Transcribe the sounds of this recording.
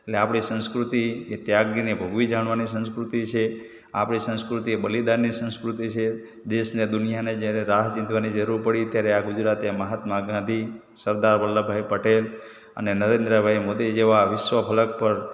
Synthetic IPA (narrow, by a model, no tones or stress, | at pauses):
eʈleapɽ̃isə̃nskɾut̪iet̪jaɡɾinebʱəɡʋid͡ʒaɽ̃ʋanisə̃ñskɾut̪it͡ʃʰe | a̰pɽ̃isə̃ñskɾut̪iebəlid̪aɾnisə̃nskɾut̪it͡ʃʰe | d̪eʃned̪ʊnijaned͡ʒjaɾeɾaɦt͡ʃɪ̃nt̪ʋanid͡ʒəɾuɾpəɽit̪jaɾeaɡud͡ʒɾat̪eməɦat̪maɡãd̪ʱi | səɾd̪aɾʋəlːəbʱajpəʈel | ə̰nenəɾẽnd̪ɾəbʱajmod̪id͡ʒeʋaʋɪʃʋəpʰələk̚pəɾ